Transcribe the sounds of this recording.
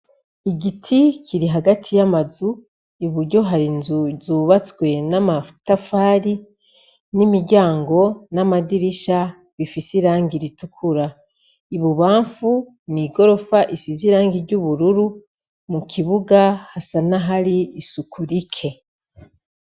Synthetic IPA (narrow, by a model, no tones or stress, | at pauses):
iɟitʰicʰiɾiɦaɡatʰijamazu | iβuɾɟo̞ɦaɾinzuzuːβat͡swe̞namatafaːɾi | nimiɟaːŋɡo̞namadiɾiʃa | βifisiɾaːŋɡiɾitukʰuɾa | iβuβaːɱfu | niɡo̞ɾo̞faʔisiziɾaːŋɡiɾɟuβuɾuɾu | mukʰiβuɡahasanaɦaɾiːsukʰuɾikʰe̞